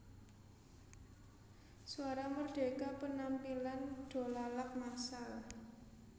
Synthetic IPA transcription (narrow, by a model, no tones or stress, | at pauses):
suaɾamərɖ̥e̤kapənampiland̥o̤lalak̚masal